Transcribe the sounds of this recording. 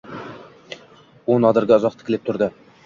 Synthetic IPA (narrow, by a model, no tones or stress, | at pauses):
onɑd̪əɾɡʲaɒzɑq̚t̪ʰɪ̥kʲɪlɪp̚t̪ʰʊɾd̪ɪ